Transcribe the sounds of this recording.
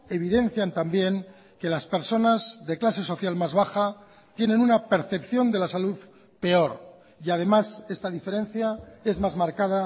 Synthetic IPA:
e̞β̞iðe̞n̟θjant̪ambje̞ŋ | ke̞laspe̞ɾso̞nazðeklase̞so̞θjalmazβ̞axa | t̪je̞nẽ̞nunape̞ɾθe̞pθjo̞nd̪e̞lasaluð | pe̞o̞ɾ | iað̞e̞mase̞st̪aðife̞ɾẽ̞nθjae̞zmazmaɾkaða

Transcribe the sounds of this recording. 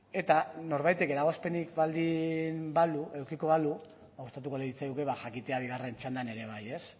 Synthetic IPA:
e̞t̪ano̞ɾβajt̪e̞ke̞ɾaɣ̞ospe̞nikβald̪imbaluʔe̞wkiko̞βalu | ust̪at̪ukoleit͡sajuke̞βaʝakit̪e̞aβiɣ̞are̞nt͡ʃand̪ane̞ɾe̞β̞aje̞s

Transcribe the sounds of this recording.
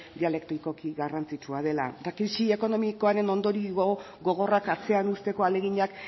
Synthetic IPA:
d̪iale̞kt̪ɾiko̞kiɣarant͡sit͡ʃuað̞e̞la̰t̪akɾisie̞ko̞no̞miko̞aɾe̞no̞nd̪o̞ɾiɣo̞ | ɣo̞ɣ̞o̞rakat͡se̞anust̪e̞ko̞ale̞ɣiɲak

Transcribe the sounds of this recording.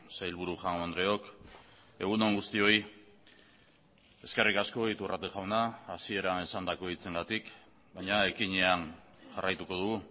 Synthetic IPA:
sajlβuɾuʝaŋɡoand̪ɾeo̞k | e̞ɣ̞uno̞ŋɡust̪io̞j | e̞ske̞rikasko̞it̪urat̪eʝawnaːsie̞ɾaesand̪ako̞it͡se̞ŋɡat̪ik | bajɲae̞kiɲean | ʝarajt̪uko̞ð̞uɣu

